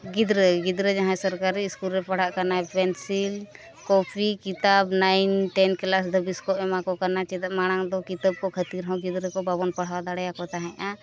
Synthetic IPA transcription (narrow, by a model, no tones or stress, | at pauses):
ɡid̪ɾəɡid̪ɾəd͡ʒaɦãsəɾkaɾiːskulɾɛpaɽ̤aʔkanaɛpɛnsil | kɔpʰikit̪abnajnʈɛnkɛlasd̪əbiskɔʔɛmakɔkanat͡ʃɛt̪aʔmaɽ̃aŋd̪ɔkit̪ab̚kɔkʰət̪iɾɦɔ̃ɡid̪ɾəkɔbabɔnpaɽ̤awad̪aɽɛjakɔt̪aɦɛ̃ʔa